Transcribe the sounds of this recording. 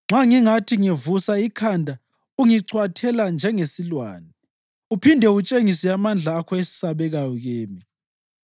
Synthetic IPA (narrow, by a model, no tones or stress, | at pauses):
ŋ͡ǁʱaŋiŋatʰiŋevusaikʰandʱa | uŋiǀʰwatʰɛland͡ʒʱɛŋesilwa̰ːnɛ | upʰindʱɛut͡ʃʼeŋisɛamand͡ɮʱaːkʰɔesi̥saβɛɣajɔɣeːmi